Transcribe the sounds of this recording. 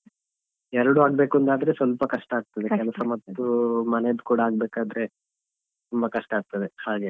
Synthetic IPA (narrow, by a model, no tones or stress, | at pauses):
ɛɾɐɽuaːɡbe̞ːkuɐnd̪aːd̪ɐɾe̞sʋɐlpɐkɐʂʈɐaːɡ̚t̪ɐd̪ekɛlɐsɐmɐt̪ːumɐned̪ukuːɽɐaːɡ̚beːkaːd̪ɾe̞ | t̪umbɐkɐʂʈɐaːɡ̚t̪ɐd̪ehaːɡe̞